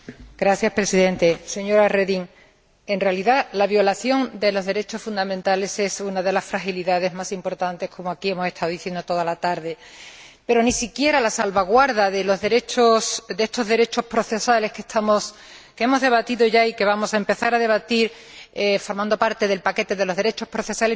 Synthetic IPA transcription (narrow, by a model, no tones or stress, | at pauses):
ɡ̥ɾaθjaspɾe̞siðẽ̞nt̪e̞se̞ɲo̞ɾareðiŋ | e̞nrealiðalaβjo̞laθjo̞nd̪e̞lo̞zðe̞ɾe̞t͡ʃo̞sfund̪amẽnt̪ale̞sesunaðe̞lasfɾaxiliðaðe̞zmasimpo̞ɾt̪ant̪e̞hkʰo̞moakiemose̞st̪ʰaoðiθje̞nd̪ot̪o̞ðalat̪aɾðe̞ | pe̞ɾo̞nisikje̞ɾalasalβaɣwaɾðaðe̞lo̞zðe̞ɾe̞t͡ʃosd̪eest̪o̞zðe̞ɾe̞t͡ʃo̞spɾoθe̞sale̞hke̞st̪ʰamo̞s | kee̞mo̞zðe̞βat̪iðoʝaike̞βamo̞saempe̞θaɾaðe̞β̞at̪iɾ | efo̞ɾmãnd̪o̞paɾt̪e̞ðe̞lpake̞t̪e̞ðe̞loðe̞ɾe̞t͡ʃo̞hpɾo̞θe̞sale